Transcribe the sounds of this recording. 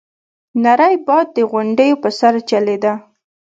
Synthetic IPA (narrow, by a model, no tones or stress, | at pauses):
naɾajbɑd̪̚ːəɣʊɳɖəjopəsaɾt͡ʃaled̪a